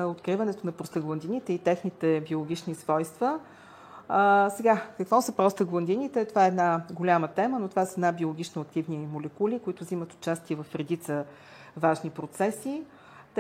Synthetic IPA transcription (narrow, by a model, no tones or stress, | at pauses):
ot̪kɾivɐnɛt̪onɐpɾost̪əɡlˠɐnd̪init̪ɛit̪ɛxnit̪ɛbiolˠoɡʲit͡ʃnisvɔjst̪və | əsɛɡakəkvɔsəpɾɔst̪əɡlˠɐnd̪init̪ɛt̪ovaɛːd̪naɡolʲamət̪ɛmənot̪ovasəɛd̪nabiolˠoɡʲit͡ʃnoɐk̚t̪ivnimolɛkulʲikoit̪ʊzimət̪o̥t͡ʃast̪iəvɐfɾɛd̪it̪sə | vaʒnipɾot̪sɛsi | t̪